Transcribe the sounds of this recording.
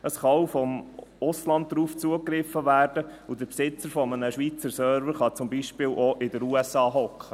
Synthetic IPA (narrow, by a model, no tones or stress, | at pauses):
əsχɑwfɔmʊslɑnd̚dɾuːft͡suəkɾɪfːəvæːrd̥əud̪əɾpsɪt͡səɾfɔmənəʃʋiːt͡səɾsœːɾvəɾχɑt͡sʊmbiʃpɪːwʔɔʔɪdəɾuɛsɑːɦɔkχə